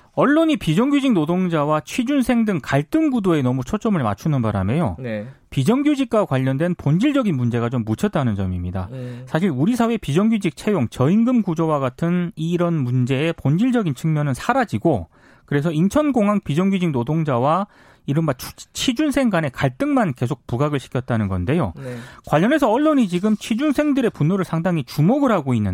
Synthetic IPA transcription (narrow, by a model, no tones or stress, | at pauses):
ʌɭːoɲipid͡ʑʌŋɡjud͡ʑiŋnodoŋd͡ʑawat͡ɕʰwid͡ʑunsʰe̞ŋdɯŋkaɭt͈ɯŋɡudoe̞nʌmut͡ɕʰot͡ɕ͈ʌmɯɭma̰t͡ɕʰunɯnbaɾa̰me̞jo̰npid͡ʑʌŋɡjud͡ʑik̚k͈akwaʎːʌndwenpond͡ʑiɭd͡ʑʌɡinmund͡ʑe̞ɣat͡ɕomːut͡ɕʰʌt̚t͈anɯnd͡ʑʌ̰mimɲida̰sʰaɕ̬ʰiɭuɾisʰawe̞pid͡ʑʌŋɡjud͡ʑik̚t͡ɕʰe̞joŋt͡ɕʌiŋɡɯmɡud͡ʑowaɡatʰɯniɾʌnmund͡ʑe̞ːpond͡ʑiɭd͡ʑʌɡint͡ɕʰɯŋmjʌnɯnsʰaɾad͡ʑiɡo | kɯɾe̞s̬ʰʌint͡ɕʰʌnɡoŋɦaŋpid͡ʑʌŋɡid͡ʑiŋnodoŋd͡ʑawa | iɾɯnbat͡ɕʰt͡ɕʰid͡ʑunsʰe̞ŋɡane̞kaɭt͈ɯŋmanke̞s̬ʰok̚puɡaɡɯɭɕʰi̥kʰjʌt̚t͈anɯnɡʌnde̞jo̰kwaʎːʌne̞sʰʌʌɭːoɲit͡ɕiɡɯmt͡ɕʰid͡ʑunsʰe̞ŋdɯɾe̞punːoɾɯɭsʰaŋdaŋit͡ɕumoɡɯɾɦaɡoinːɯ